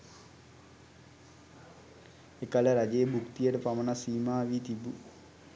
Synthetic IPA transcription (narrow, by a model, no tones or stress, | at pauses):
ekaləɾad͡ʒejəbukt̪ijəʈəpamənasiːmaːʋiːt̪ibu